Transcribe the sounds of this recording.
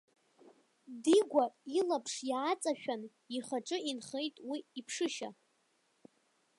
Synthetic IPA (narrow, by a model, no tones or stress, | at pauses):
diɡʷailapʰʂjaːt͡sʼaʃᶣan | iχaʈ͡ʂʼɨinχe̞jtʼwiːpʰʂɨʃa̰